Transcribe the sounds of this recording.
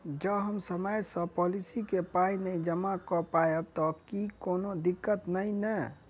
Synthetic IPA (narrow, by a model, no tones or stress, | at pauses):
d͡ʒəbɦəmsəməjsə̃pɔlisikepainəĩd͡ʒəmakɔpajeb̚t̪ɔkikonod̪ikːət̪nəinə